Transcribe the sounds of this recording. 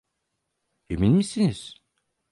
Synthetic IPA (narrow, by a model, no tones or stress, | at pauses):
eminʲmisiniz̥